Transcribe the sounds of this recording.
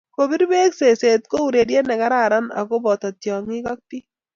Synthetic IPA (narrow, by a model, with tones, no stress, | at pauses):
ko˨bi˦ɾbe˦kse˨se˨t̪̚ko˦u˨ɾe˨dje˦nɛ˨ka˦ɾa˦˨ɾa˦na̰˨ko˦bɔ˨t̪a˨t̪jɔ˨ŋɪ˦ka˦k̚t̪i˦